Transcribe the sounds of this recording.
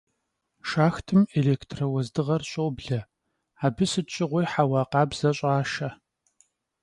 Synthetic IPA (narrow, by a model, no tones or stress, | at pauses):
ʃaːxtʰɨmeleːktʰrɐwɐzdɨʁɐrɕʼowbɮɐ | aːbɨsɨtt͡ʃʼɪʁʷʊjħaːwɑːqɑːbz̥ɐɕʼaːʃɐ